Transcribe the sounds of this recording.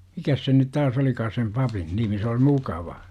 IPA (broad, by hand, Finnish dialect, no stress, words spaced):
mikæs sen nyt tæs olikɑː sem pɑpin nimi se oi mukɑʋɑ